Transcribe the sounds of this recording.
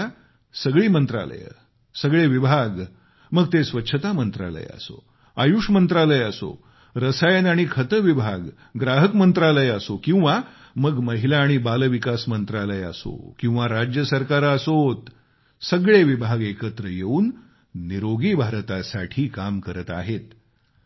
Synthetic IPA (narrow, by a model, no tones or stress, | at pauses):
səɡɭiːmənt̪ɾa̰lə̰j̰ | səɡɭeʋibʱaɡ | məɡ̚t̪esʋətːɕʰət̪amənt̪ɾa̰lə̰j̰a̰so̰ | ajuʂmənt̪ɾaləjəso̰ | ɾəsajənaɽ̃ikʰət̪əʋibʱaɡ | ɡɾaɦəkmənt̪ɾaləjasokĩw̃ʋa | məɡməɦilaːɽ̃ibaləʋikasmənt̪ɾaləja̰so̰kĩw̃ʋaɾad͡ʑjəsəɾkaɾəsot̪ | səɡɭeʋibʱaɡekət̪ɾəjeuːnː | iɾoɡibʱaɾt̪asaʈʰiːkamkəɾət̪a̰ɦet̪